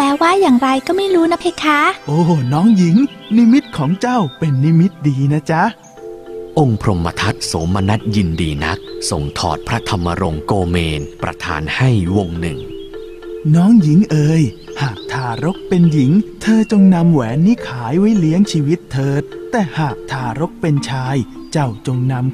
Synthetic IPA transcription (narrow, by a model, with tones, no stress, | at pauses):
pɛː˧˥waː˥˩jaː˨˩ŋɾa˧jkɔː˥˩ma˥˩jɾuː˦˥na˦˥pʰe˦˧˥kʰːaː˦˥ʔoː˧˩nɔː˦˥ŋji˨˩˦ŋ | ni˦˥mi˦˥t̪̚kʰɔː˩˦ŋt͡ɕa˥˩wpe˧nːi˦˥mi˦˥t̪̚diː˧na˦˥t͡ɕa˦˥ | ʔo˧ŋpʰɾo˧mːa̰˧t̪ʰa˦˥t̪̚soː˩˦mːa˧na˦˥t̪̚ji˧ndḭː˧na̰˦˥k̚so˨˩ŋt̪ʰɔ̰ː˨˩t̪̚pʰɾa˦˥t̪ʰa˧mːa˧ɾo˧ŋkoː˧meː˧npɾa̰˧t̪ʰa̰ː˧˦nha˥˩jwo˧ŋnɯ˨˩ŋ | nɔː˦˥ŋji˨˩˦ŋʔɤː˧jhaː˨˩k̚t̪ʰaː˧ɾo˦˥k̚pe˧nji˩˦ŋt̪ʰɤː˧t͡ɕo˧ŋna˧mwɛː˩˦nːiː˦˥kʰaː˩˦jwa˦˥jli˦˥əŋt͡ɕʰiː˧wi˦˥t̪ʰːɤː˧t̪ːɛː˨˩haː˨˩k̚t̪ʰaː˧˩ɾo˦˥k̚pe˧nt͡ɕʰaː˧j | t͡ɕa˥˩wt͡ɕo˧ŋna˧m